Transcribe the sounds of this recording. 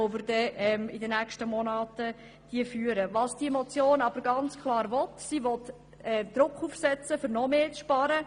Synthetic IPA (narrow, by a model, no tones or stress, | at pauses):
ɔvɪɾdɛɛmɪdənækʃtəmɔnɑːtə | d̥iəfyːəɾəʋɑsd̥iəmɔt͡sjoːnɑb̥əɾɡɑnt͡skʰlɑːɾʋɔtsiʋɔt | ɛd̪̥ɾʊkχuːfsɛt͡səfʏɾnɔmeːt͡sʃpɑɾə